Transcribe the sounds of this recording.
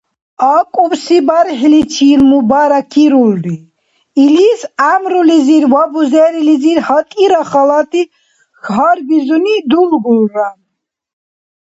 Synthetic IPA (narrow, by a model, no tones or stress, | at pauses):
akʼuwsibaɾɦlit͡ʃʰiːlmubaɾakʰiɾulriː | lisamɾuliziɾwabuzɛɾiliziɾhat̪ʼiɾaχalat̪ʰi | xɦaɾbizunid̪ulɡulran